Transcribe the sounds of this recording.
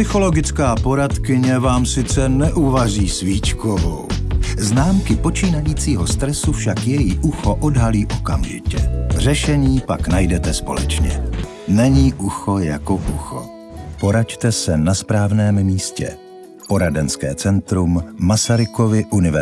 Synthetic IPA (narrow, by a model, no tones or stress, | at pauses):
ɪxo̞lo̞ɡɪt͡skaːpo̞ɾat̪kɪɲɛvaːmsɪt͡sɛnɛʔuvaziːsviːt͡ʃkovo̰wznaːmkɪpo̞t͡ʃiːnajiːt͡siːɦost̪ɾɛsufʃakjɛjɪʔuxoʔodɦaliːʔokamʒɪ̰cɛrɛʃɛɲiːpaknajdɛt̪ɛspolɛ̰t͡ʃɲɛ̰ | nɛɲiːʔuxo̞jakoʔuxo̞̰ | po̞ɾact̪ɛsɛnaspɾaːvnɛːmmiːscɛ̰ | po̞ɾadɛnskɛ̰ːt͡sɛnt̪ɾumːasaɾɪko̞vɪʔunɪvɛ